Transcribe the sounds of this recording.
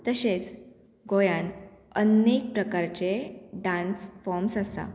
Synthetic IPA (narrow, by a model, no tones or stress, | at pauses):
t̪əɕet͡s | ɡojãn | ənek̚pɾəkaɾt͡ɕeɖãnsfɔɾmsəsa̰